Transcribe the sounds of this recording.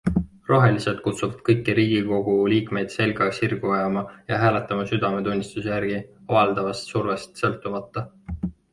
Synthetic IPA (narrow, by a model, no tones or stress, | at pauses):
ro̞ɦe̞liset̪̚kut̪suvɑd̪̥̚kɤjkːˑiɾiːɡ̥iko̞ɡ̥uliːkme̞jd̪̥se̞lɡɑksirɡ̥uɑjɑmɑjɑɦæːlet̪ːˑɑmɑsyd̪̥ɑme̞t̪unʲːist̪use̞jæɾɡ̥iɑvɑld̪̥ɑvɑst̪surve̞st̪sɤ̞lt̪ːˑumɑt̪ːˑɑ